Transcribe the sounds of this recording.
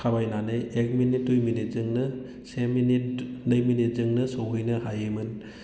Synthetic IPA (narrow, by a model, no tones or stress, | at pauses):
kʰabajnanɯjek̚minit̚dujminit̚zɯŋnɯ | seminit̚nɯjminit̚zɯŋnɯsowɦɯjnɯhajɯmɯn